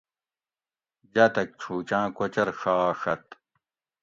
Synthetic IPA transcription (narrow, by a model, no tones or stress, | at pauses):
d͡ʑat̪ɐk̚t͡ɕʰuːt͡ɕãːkot͡ɕɐɾʂaːʂɐt̪̚